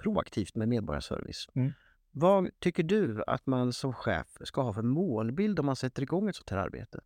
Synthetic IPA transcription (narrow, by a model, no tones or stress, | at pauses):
pʰɾʊa̰kt̪ʰiːft̪meːd̪meːd̪bɔɾja̰ʂœ̰ɾvɪ̰s | vat̪ʰʏkːəɖɵa̰t̪mansɔmɧɛ̰ːfskahɑːfɛnmoːlbɪld̪ɔmːansɛt̪ːəɾɪɡɔŋːɛt̪sɔt̪ʰːæːɾa̰ɾbḛːt̪ə